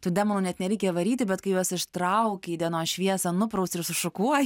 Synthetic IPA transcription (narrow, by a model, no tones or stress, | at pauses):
t̪ʊd̪ʲɛmoːnuːnʲɛt̪nʲɛɾʲɛɪkʲeːʋɐɾʲiːt̪ʲɪbʲɛt̪kɐɪjuɔsɪʃt̪ɾɐʊkʲed̪ʲiɛnoːʃʲʋʲiɛsɐnʊpɾɐʊsɪɾsʊʃʊkuɔj